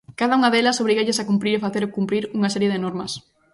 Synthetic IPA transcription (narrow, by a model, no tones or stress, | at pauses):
kaðɐuŋɐðelɐsoβɾiɣeʎɪsakumpɾiɾefaθeɾokumpɾiɾuŋɐsɛɾjeðɪnɔɾmɐs